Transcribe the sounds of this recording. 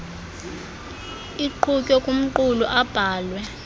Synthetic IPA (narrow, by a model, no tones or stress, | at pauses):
iǃʰukʼɔkʼum̩ǃuluʔab̥ʱaːlwɛ